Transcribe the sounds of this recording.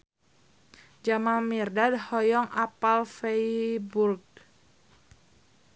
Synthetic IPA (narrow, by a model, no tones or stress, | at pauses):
d͡ʒamanmirdadhɔjɔŋʔapalfejburɡ